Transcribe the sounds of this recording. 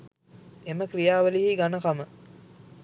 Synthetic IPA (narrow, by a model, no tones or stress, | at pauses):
eməkrijaːʋəliɦiɡanəkamə